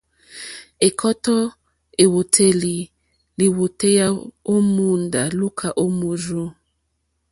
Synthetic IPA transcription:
e˨kʰɔ˦tɔ˦ | e˨wo˨tʰe˨li˨ | li˨wo˨te˦ja˦o˦mu˦nda˨lu˦kʰa˨ʔo˦mu˨zo˦

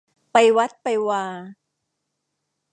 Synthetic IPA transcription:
pa˧jwa˦˥t̪̚pa˧jwaː˧

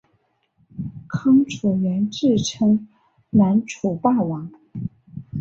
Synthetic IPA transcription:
kʰɤ˥ŋʈ͡ʂʰu˨˩ɥɛ˧˥nʈ͡ʂɻ̩˥˩ʈ͡ʂʰɤ˥ŋ | na˧˥nʈ͡ʂʰu˨˩pa˥˩wɑ˧˥ŋ

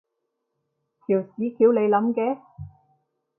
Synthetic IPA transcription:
k̪ʰiː˨˩wsiː˨˥kʰiː˨˥wle˨˧jlɐ˨˥mkɛː˨˧˥

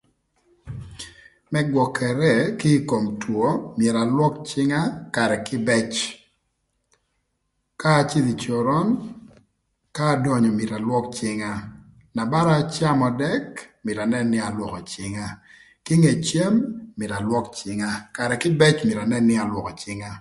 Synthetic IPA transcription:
mɛ˦ɡwɔ˨kʰɛ˨ɾɛ˦˨kɪ˦ko˨mtwo˦mjɛ˨ɾa˨lwɔ˦kt͡ʃɪ˦ŋa˦ka˨ɾɛ˨kɪ˦bɛ˦t͡ʃ | kaː˦˨t͡ʃi˦d̪i˨t͡ʃɔ˨ɾɔ˦n | kaː˦dɔ˨ɲɔ˨mjɪ˨ɾa˨lwɔ˦k̚t͡ʃɪ˦ŋa˦ | na˨ba˦ɾa˦t͡ʃa˦mɔ˨dɛ˦kmɪ˨ɾa˨nɛ˦nɪ˦a˨lwɔ˨kɔ˨t͡ʃɪ˦ŋa˦ | kɪ˦ŋe˨t͡ʃje˦mːɪ˨ɾa˨lwɔ˦kt͡ʃɪ˦ŋa˦ka˨ɾɛ˨kɪ˦bɛ˦t͡ʃmɪ˨ɾa˨nɛ˦nɪ˦a˨lwɔ˨kɔ˨t͡ʃɪ˦ŋa˦

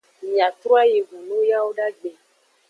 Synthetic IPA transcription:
mĩ˨a˨t̪ɾu˦a˦je˨vũ˨nũ˦ja˦wo˦ɖa˦ɡ͡be˨

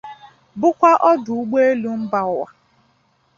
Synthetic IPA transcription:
bʊ˦kʷa˦ʔɔ˦dʊ˨u˦ɡ͡be˦e˦lu˦m̩˦ba˨ʊ˦˨wa̰˨

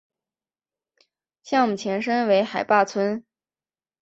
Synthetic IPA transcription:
ɕjɑ˥˩˨u˨˩t͡ɕʰjɛ˧˥nʂə˥nwe˧˥ɪxa˨˩ɪpa˥˩t͡sʰwə˥n

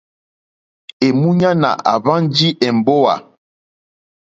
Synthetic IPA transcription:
e˨mu˦ɲa˦na̰˨ʔa̰˨βa˦n˦d͡ʒi˦ʔɛ˨m˨bo˦wa̰˨

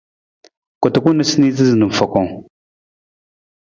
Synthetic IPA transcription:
kʷu˨tu˨ku˦nə˦sni˦zi˦znə˨m˨fa˨ko˦ŋ

